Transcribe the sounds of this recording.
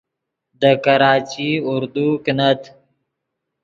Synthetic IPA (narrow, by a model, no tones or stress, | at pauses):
d̪əkaɾɑːt͡ʃiʊɾd̪uknat̪